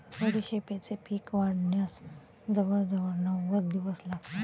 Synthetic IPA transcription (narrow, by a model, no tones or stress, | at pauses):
pəɽiɕepet͡sepʰiːkʋaɽnjas | d͡zɐʋəɾd͡zəʋəɾnaʋəd̪iʋəslaɡt̪a